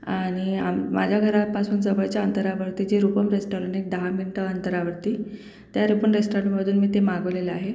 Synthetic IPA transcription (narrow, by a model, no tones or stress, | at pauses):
aɽ̃ia̰mma̰d͡ʑʱjaɡʱəɾapasuːnsəbəjt͡ɕjaənt̪əɾaʋəɽt̪iːd͡ʑeɾupəmɾesʈalənek̚d̪əɦaminʈəənt̪əɾaʋəɾt̪iː | t̪jaɾupəmɾesʈaɾɳʈməd̪ʱuːnmiːt̪emaɡəʋleleaɦe